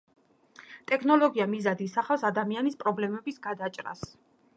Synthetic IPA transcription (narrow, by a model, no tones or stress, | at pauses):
t̪ʼɛkʰnɔlˠɔɡiamizad̪isaχafsad̪amianispʼɾɔblɛmɛbisɡad̪at͡ʃʼɾa̰s